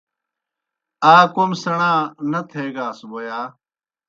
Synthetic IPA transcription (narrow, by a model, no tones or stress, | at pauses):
aːkomsəɳãːnət̪ʰeːɡaːsboːjaː